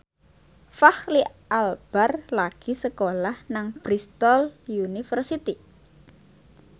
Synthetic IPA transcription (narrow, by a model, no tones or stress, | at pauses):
fahliʔalb̥arlaɡ̥i̤səkolahnaŋb̥ɾist̪ɔljunifərsit̪i